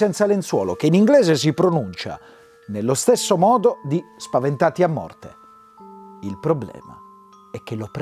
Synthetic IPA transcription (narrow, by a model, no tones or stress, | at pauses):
ɛnt̪salent̪swɔ̰ːlo̰k̟einiŋɡlɛːzes̬ipɾonunt͡ʃa̰ | nelːost̪esːomɔːd̪od̪ispavent̪aːt̪iamːɔ̰rt̪ḛ | ilpɾoblɛ̰ːma̰ | ɛk̟ːelop